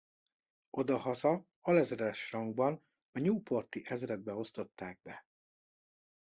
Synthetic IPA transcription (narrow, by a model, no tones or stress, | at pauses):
o̞d̪ɒhɒzɒ | ɒlɛzɾɛʃrɒŋɡbɒn | ɒɲuːpo̞rt̪iʔɛzrɛd̪̚bɛo̞st̪o̞t̪ːaːɡ̚bɛ